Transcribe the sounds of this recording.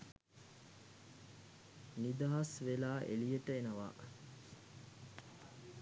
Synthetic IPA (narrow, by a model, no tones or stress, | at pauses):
nid̪ɐɦɐsʋelaːʔḛlijəʈəenəʋa̰ː